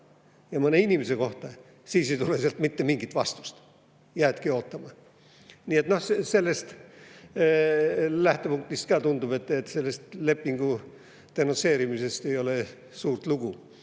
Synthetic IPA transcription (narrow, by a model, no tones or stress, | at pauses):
jɑmɤne̞inʲimese̞ko̞ht̪ɑ | siːsejt̪uleseɑlt̪mit̪ːe̞miŋɡ̥it̪vɑst̪u̥st̪ | jæːd̪̥kio̞ːt̪ːˑɑmɑ | niːe̞t̪ˑno̞hse̞lːe̞st̪ | læht̪e̞puŋk̚t̪ist̪kɑːt̪und̪ub̥e̞t̪ːˑet̪ːse̞lːe̞st̪le̞pːiŋɡ̥u | t̪enunse̞ːɾimise̞st̪e̞jo̞le̞ | suːrt̪luɡ̥u